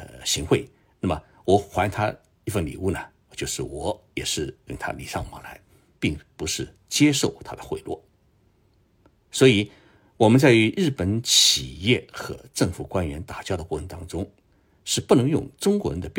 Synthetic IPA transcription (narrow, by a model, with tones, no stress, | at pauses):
ɕi˧˥ŋxwe˥˩ɪ | na˥˩mə˩ | wɔ˧˩˥xwa˧˥nt̪ʰa˥ | i˥˩fə˥˩nlḭ˨˩u˥˩nə˩ | t͡ɕjo˥˧ʊʂɻ̩˥˩wɔ˧˥jɛ˨˩ʂɻ̩˥˩jʊ̰˥˩ŋt̪ʰa̰˥li˨˩ʂɑ˥˩ŋma˧˥la˧˥ɪ | pi˥˩ŋpu˧˥ʂɻ̩˥˩ | t͡ɕjɛ˥ʂo˥˩ʊt̪ʰa̰˥d̪ə˨xwe˥˧ɪlwɔ̰˥˩ | swɔ˧˥i˨˧˥ | wɔ˨˩mə˦nt͡sa˥˩ɪy˧˥ɻɻ̩˥˩pə˧˥nt͡ɕʰi˨˩jɛ˥˩xɤ̰˧˥ʈ͡ʂɤ˥˩ŋfu˨˩kwa˥nɥɛ˧˥nt̪a˨˩t͡ɕjɑ˥ʊd̪ə˩kwɔ˧˥˩ə˧˥nt̪ɑ˥ŋʈ͡ʂʊ˥ŋ | ʂɻ̩˥˧pu˥˩nɤ˧˥ŋjʊ̰˥˩ŋʈ͡ʂʊ˥ŋkwɔ˧˥ɻə˧˥nd̪ə˧p